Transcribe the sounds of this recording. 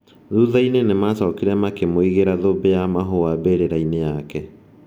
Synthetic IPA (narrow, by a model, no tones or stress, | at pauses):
ðuðainenemasɔkiɾɛmakemoiɣeɾaðobejamaɦoabeɾeɾainejakɛ